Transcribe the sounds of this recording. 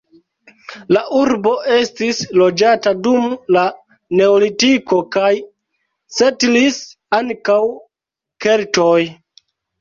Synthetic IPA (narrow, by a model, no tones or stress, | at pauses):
laʔuɾbo̞ʔe̞stislo̞d͡ʒatadumla | ne̞olitiko̞kaj | setlis | aŋkaw | ke̞ltoj